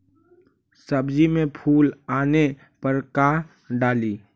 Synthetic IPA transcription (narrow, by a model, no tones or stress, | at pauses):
səbd͡ʒimẽpʰuːlaːne | pəɾka | ɖaːliː